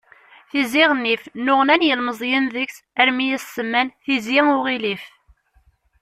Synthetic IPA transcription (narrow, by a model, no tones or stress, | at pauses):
θiziʁənːifnʊʁnænjəlməzˤjənðəksæɾmijæsəmːænθiziʊʁilif